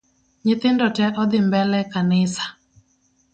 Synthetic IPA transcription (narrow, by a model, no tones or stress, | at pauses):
ɲɪt̪ɪndɔtɛʔɔd̪ɪmbɛlɛkanɪsḁ